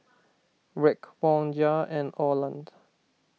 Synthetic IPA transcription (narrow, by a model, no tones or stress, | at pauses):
ɹɛkwɔ̃nd͡ʒaɛ̃nɔlãnd